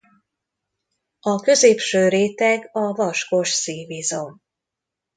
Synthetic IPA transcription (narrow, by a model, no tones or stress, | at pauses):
ɒkø̞zeːpʃøːɾeːt̪ɛɡɒvɒʃko̞ʃsiːvizom